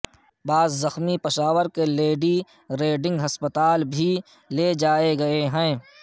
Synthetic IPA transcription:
baːzzɐxmipɪʃaːʋəɾkeleːɖi | ɾeːɖɪ̃ŋɡɦɐspət̪aːlbʱi | led͡ʒaːeɡɐeɦɛ̃ː

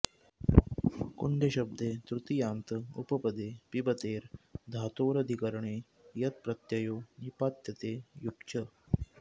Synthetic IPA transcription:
kuɳɖeɕɐb̚d̪et̪ɾut̪ijaːnt̪əṵpəpɐd̪eːpibɐt̪eːɾd̪ʱat̪oːɾɐd̪ʱikəɾəɳeː | jɐt̪̚pɾɐt̪jɐjoːnipat̪jɐt̪eːjukt͡ʃə

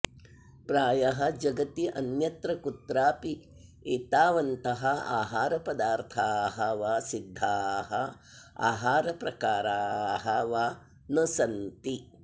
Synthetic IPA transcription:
pɾaːjɐɦɐd͡ʒɐɡɐt̪iʔɐnjɐt̪ɾɐkut̪ɾaːpi | eːt̪aːʋɐnt̪ɐɦɐa̰ːɦaːɾɐpɐd̪aːɾt̪ʰaːɦɐʋaːsid̪ʱːaːɦɐ | a̰ːɦaːɾɐpɾɐkaːɾaːɦɐʋaː | nɐsɐnt̪i

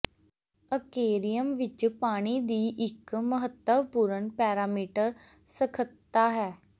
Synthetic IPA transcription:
əkeːɾijəmʋɪt͡ʃpaːɽ̃iːd̪iːʔɪkməɦət̪ːəʋpuːɾəɳpɛːɾaːmiːʈəɾ | səkʰət̪ːaːɦɛː

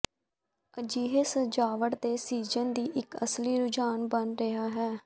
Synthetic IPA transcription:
əd͡ʒiːɦeːsəd͡ʒaːʋəʈd̪eːsiːd͡ʒənd̪iːʔɪkəsliːɾʊd͡ʒaːnbənɾəɦaːɦɛː

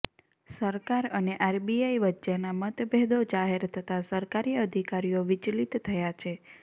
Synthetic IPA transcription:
səɾkaɾəneʔaɾbiajʋətːt͡ʃenamət̪beɦd̪od͡ʒaɦeɾt̪ʰət̪asəɾkaɾiəd̪ʱikaɾijoʋɪt͡ʃlit̪ʰːəjat͡ʃʰe

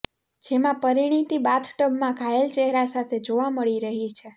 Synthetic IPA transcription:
d͡ʒemãpəɾiɽ̃it̪ibat̪ʰʈəbmãkajelt͡ʃeɦɾasat̪ʰed͡ʒoʋaməɭiɾəɦit͡ʃʰe

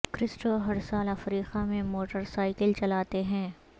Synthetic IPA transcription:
kɾɪsʈoɦɐɾsaːlɐfɾiːqamẽmoːʈəɾsaːɪkəlt͡ʃɐlaːt̪eɦɛ̃ː

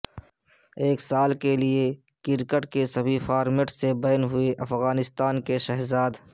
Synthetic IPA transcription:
eːksaːlkelie | kɪɾkəʈkesɐbʱifaːɾmeʈsebɐjnɦʊeʔɐfɣaːnɪst̪aːnkeʃɛɦzaːd̪

